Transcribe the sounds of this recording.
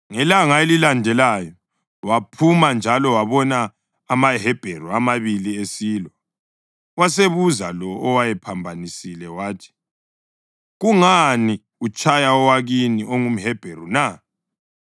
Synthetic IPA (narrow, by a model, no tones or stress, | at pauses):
ŋɛlaŋaelilandʱɛlajɔ | wapʰumand͡ʒʱalɔwaβɔnaː | maɦɛb̥ʱeruamaβiliesiːlwɔ | was̬eβuzalɔːwajɛpʰambʱanisilɛwaːtʰi̥ | ɣuŋani | ut͡ʃʼajaɔwaɣiniʔoŋum̩ɦɛb̥ʱeruna